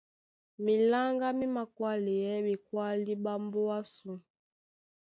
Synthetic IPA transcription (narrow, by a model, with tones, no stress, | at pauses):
mi˨la˦ŋɡa˦mi˦ma˨kwa˦li˨jɛ˦ɓi˨kwa˦li˦ɓa˦mbo˦wa˦su˨